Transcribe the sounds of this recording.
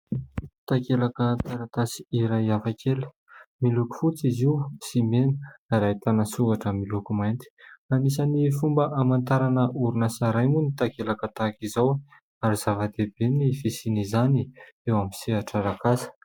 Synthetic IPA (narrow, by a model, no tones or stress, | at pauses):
t̪akelakət̪aɾat̪asi̥iɾajafakʲeli̥ | miluku̥fut͡siziwsimenə̥aɾajt̪anasuɡaʈ͡ʂəmilukumajnt̪i̥anisanifumbəʔamant̪aɾanəʔuɾunasaɾajmunit̪akelakət̪akizaw | aɾiz̥avad̪ebenifesinizaniewamisiaʈ͡ʂaɾakasə̥